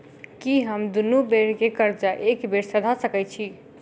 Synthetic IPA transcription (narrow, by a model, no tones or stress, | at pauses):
kiɦəmd̪unubeɾkekəɾd͡ʒaʔekbeɾsəd̪ʱasəkɛt͡ʃʰi